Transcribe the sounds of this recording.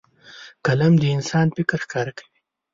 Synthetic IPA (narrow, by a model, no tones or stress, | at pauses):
kalamd̪əɪnsɑnpɪkɾxkɑɾakḁwi